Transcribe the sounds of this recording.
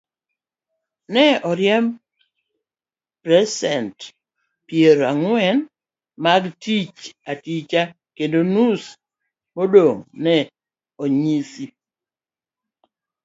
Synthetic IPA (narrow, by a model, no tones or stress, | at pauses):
nɛɔɾjɛm | pɾɛsɛnt | pjeɾaŋwɛn | maɡtit͡ʃatit͡ʃa | kendonus | modoŋnɛ | oɲisi